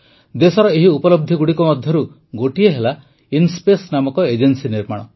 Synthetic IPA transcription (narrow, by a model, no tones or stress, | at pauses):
d̪esɔɾɔeɦiupɔlɔb̚d̪ʱiɡuɽikɔmɔd̪ʱjɔɾu | ɡoʈieɦela | inspesnamɔkɔed͡ʒensiniɾmaɽ̃ɔ